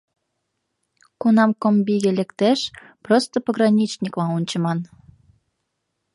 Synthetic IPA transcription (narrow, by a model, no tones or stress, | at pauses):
kunɑmkombiɣelĕkt̪eʃ | prost̪əpəɣrɑnʲit͡ɕnʲikmɑunʲt͡ɕəmɑn